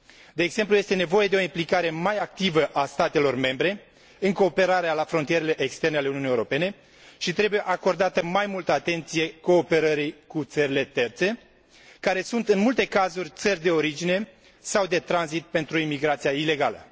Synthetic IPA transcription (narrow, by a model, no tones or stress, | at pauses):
d̪e̞ːɡz̥se̞mpluje̞st̪e̞ne̞vo̞je̞d̪eo̞implikaɾe̞majak̚t̪ivəʔast̪at̪e̞lo̞rme̞mbɾe̞ | ɨŋko̞ːpe̞ɾaɾealafɾo̞nt̪ijeɾele̞ʔekst̪e̞rnealeuniunijewɾope̞ne̞ | ʃit̪ɾe̞buje̞ʔako̞rd̪at̪əmajmult̪əat̪e̞nt̪sije̞ko̞ːpe̞ɾəɾikut̪səɾile̞t̪e̞rt̪se̞ | kaɾe̞sunt̪ɨnmult̪e̞kazurʲt̪sərʲd̪e̞o̞ɾid͡ʒine̞ | sawd̪e̞t̪ɾanzit̪̚pe̞nt̪ɾuimiɡɾat̪sijaile̞ɡalə̰